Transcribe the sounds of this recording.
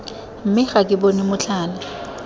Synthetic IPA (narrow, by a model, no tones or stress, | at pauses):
m̩mɪχakʼɪbonɪmʊt͡ɬʰaːna